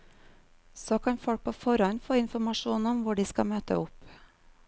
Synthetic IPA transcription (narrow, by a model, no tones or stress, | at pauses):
soːkʰɑnfɔɽk̚pʰoːfɔɾɑnfoːɪnfɔmɑʃuːnɔmʋʊɖiːskɑmøːt̪ə̰ʊp